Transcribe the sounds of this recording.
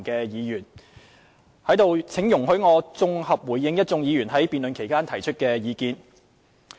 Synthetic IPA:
kɛː˧jiː˨˧jyː˨˩n | hɐ˨˥jt̪o˨˧wt͡sʰɪ˨˥ŋjʊ˨˩ŋɦɵ˨˥ɥŋɔː˨˧t͡sʊ˧ŋhɐ˨p̚wuː˨˩jːɪ˧ŋjɐ˥t̚t͡sʊ˧ŋjiː˨˧jyː˨˩nɦɐ˨˥jpiː˨nlɵ˨nkʰe˨˩jkaː˥nt̪ʰɐ˨˩jt͡ʃʰɵ˥t̚kɛː˧jiː˨˧kiː˧n

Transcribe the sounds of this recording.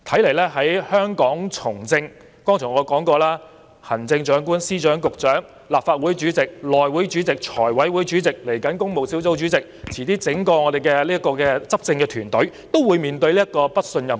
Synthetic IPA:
t̪ʰɐ˨˥jle˨˩jlɛː˥ɦɐ˨˥jhœː˥ŋkɔː˨˥ŋt͡sʰʊ˨˩ŋt͡sɪ˧ŋ | kɔː˥ŋtʰʊ˨˩ŋɔː˨˧kɔː˨˥ŋkɔː˧laː˥ | hɐ˨˩nt͡sɪ˧ŋt͡ʃœː˨˥ŋkuː˥nsiː˥t͡ʃœː˨˥ŋkʊ˨k̚t͡ʃœː˨˥ŋ | laː˨p̚faː˧t̚wu˨˥jt͡ʃyː˨˥t͡sɪ˨k̚lɔː˨jwuː˨˥jt͡ʃyː˨˥t͡sɪ˨k̚t͡ʃʰɔː˨˩jwɐ˨˥jwuː˨˥jt͡ʃyː˨˥t͡sɪ˨k̚le˨˩jkɐ˨˥nkʊ˥ŋmo˨˩wsi˨˥wt͡so˨˥wt͡ʃyː˨˥t͡sɪ˨k̚t͡sʰiː˨˩t̪iː˥t͡sɪ˨˥ŋkɔː˧ŋɔː˨˧ɾe˨˩jkɛː˧liː˥ɐ˥kːɔː˧kɛː˧t͡sɐ˥p̚t͡sɪ˧ŋkɛː˧t̪ʰyː˨˩nt̪ɵ˨˥ɥt̪o˥wuː˨˧jmiː˨˩nt̪ɵ˧ɥliː˥ɐ˥t̚kɔː˧pɐ˥t̚sɵ˧njɐ˨˩

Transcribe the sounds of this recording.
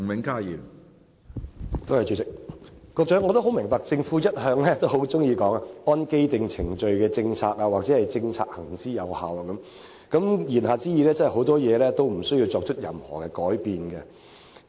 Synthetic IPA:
mɪ˨˧ŋkaː˥jiː˨˩ | t̪o˥whɐ˨jt͡ʃy˨˧t͡sɪ˨˩k̚kɔː˧k̚t͡sɐ˨˥ŋɔː˨˧t̪o˥ɦo˨˥wmɪ˨˩ŋpaː˧k̚t͡sɪ˧ŋfuː˨˥jɐ˥t̚hœː˧ŋlɛː˥t̪o˥who˨˥wt͡sʊ˥ŋjiː˧kɔː˨˥ŋa˧ɔː˥nke˥jt̪ɪ˨ŋt͡sʰɪ˨˩ŋt͡ʃɵ˨˧ɥkɛː˧t͡sɪ˧ŋt͡sʰaː˧k̚aː˧wa˨k̚t͡sɛː˨˥hɐ˨jt͡sɪ˧ŋt͡sʰaː˧k̚hɐ˨˩ŋt͡siː˥jɐ˨˧whaː˨˧waː˨kɐ˨˦m | kɐ˨˦˥mjiː˨˩nɦaː˨˧t͡siː˥jiː˨˧lɛː˥t͡sɐ˥hɐ˨jho˨˥wt̪ɔː˥jɛː˨˧lɛː˥t̪o˥wm̩˨˩sɵ˥jiː˧wt͡sɔː˧k̚t͡ʃʰɵ˥t̚jɐ̰˨mhɔ̰ː˨˩kɛ˧kɔː˨˥jpiː˨nɡɛ˧

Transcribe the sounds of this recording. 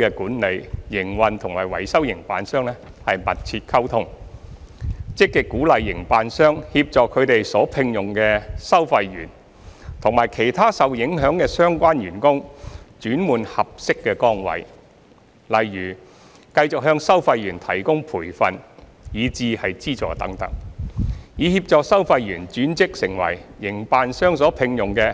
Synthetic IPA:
kɛ˧kuː˨˥nle˨˧jjɪ˨˩ŋwɐ˨nt̪ʰʊ˨˩ŋmaː˨˩jwɐ̰˨˩jsɐ˥wjɪ˨˩ŋpa̰ː˨nsœː˥ŋlɛ˥hɐ˨jmɐ˨t̚t͡sʰiː˧t̚kʰɐ˥wt̪ʰʊ˥ŋ | t͡sɪ˥kːɪ˨kːuː˨˥lɐ˨jːɪ˨˩ŋpaː˨nsœː˥ŋhiː˧p̚t͡sɔː˨kʰːɵ˨˧ɥt̪e˨jsɔː˨˥pʰɪ˧ŋjʊ˨ŋkɛː˧sɐ˥wfɐ˧jɥy̰ː˨˩n | t̪ʰʊ˨˩ŋmaː˨˩jkʰe˨˩jt̪ʰaː˥sɐ˨wjɪ˨˥ŋɦœː˨˥ŋkɛː˧sœː˥ŋkʷaː˥njyː˨˩nkʊ˥ŋt͡ʃyː˨˥nmuː˨nhɐ˨p̚sɪ˥kːɛ˧kɔː˥ŋwɐ̰˨˧j | lɐ˨jɥyː˨˩ | kɐ˧jt͡sʊ˨k̚ɦœː˧ŋsɐ˥wfɐ˧jːyː˨˩nt̪ʰɐ˨˩jkʊ˥ŋpʰuː˨˩jfɐ˨n | jiː˨˧t͡siː˨˧hɐ˨jt͡siː˥t͡sɔ̰ː˨t̪ɐ̰˨˥ŋt̪ɐ̰˨˥ŋ̚ | jiː˨˧hiː˧p̚t͡sɔː˨˧k̚sɐ˥wfɐ˧jɥyː˨˩nt͡ʃyː˨˥nt͡sɪ˥k̚sɪ˨˩ŋwɐ̰˨˩jːɪ˨˩ŋpaː˨˧nsœː˥ŋsɔː˨˥pʰɪ˧ŋjʊ˨ŋkɛː˧

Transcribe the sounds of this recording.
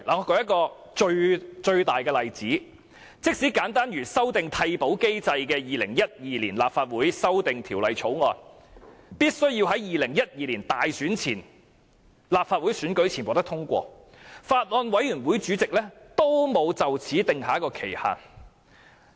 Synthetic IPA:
laː˨˩ŋɔ˨˧kɔː˧˥jɐ˥t̚kɔː˧ | t͡ʃɵ˧ɥt͡ʃɵ˧ɥt̪aː˨˩jkɛː˧lɐ˨jt͡siː˨˥ | t͡sɪ˥k̚siː˨˥kaː˨˥nt̪aː˥nɥyː˨˩sɐ˥wt̪ɪ˨ŋt̪ʰɐ˧jpo˨˥wke˥jt͡sɐ˧jkɛː˧jiː˨lɪ˨˩ŋjɐ˥t̚jiː˨˧liː˨˩nlaː˨p̚faː˧t̚wuː˨˥jsɐ˥wt̪ɪ˨ŋt̪ʰiː˨˩wlɐ˨˧jt͡ʃʰo˨˥wŋɔ̰ː˧n | piː˥t̚sɵ˥ɥjiː˧wɦɐ˨˥jjiː˨lɪ˨˩ŋjɐ˥t̚jiː˨˧liː˨˩nt̪aː˨jsyː˨˥nt͡sʰiː˨˩n | laː˨p̚faː˧t̚wuː˨˥jsyː˨˥nkɵ˨˥ɥt͡sʰiː˨˩nwɔ˨˧t̪ɐ˥kt̪ʰʊ˥ŋkʷɔ̰ː˧ | faː˧t̚lɔː˧nwɐ˨˥jɥyː˨˩nwuː˨˥jt͡ʃyː˨˥t͡sɪ˨k̚lɛː˥t̪o˥wmo˨˧wt͡sɐ˨wt͡sʰiː˨˥t̪ɪ˨ŋhaː˨˥jkɔː˧kʰe˨˩jha̰ː˨˩n

